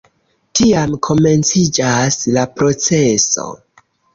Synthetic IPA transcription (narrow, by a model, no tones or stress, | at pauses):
tiamkʰo̞me̞nt͡sid͡ʒaslapɾo̞t͡se̞so̞̰